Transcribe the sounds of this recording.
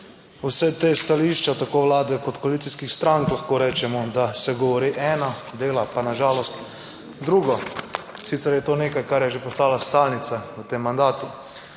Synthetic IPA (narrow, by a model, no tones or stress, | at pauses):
usɛt̪est̪aliʃt͡ʃat̪akoːʋlaːd̪ɛkɔt̪kɔalit̪siskixst̪ɾaŋklaxkoːɾɛːt͡ʃɛmɔd̪asɛɡɔʋɔɾiːʔɛːnad̪eːlapanaʒaːlɔst̪ | d̪ɾuːɡɔ | sit̪sɛɾjɛt̪oːneːkajkaɾjɛʒepɔst̪aːlast̪alnit̪saət̪eːmːand̪aːt̪u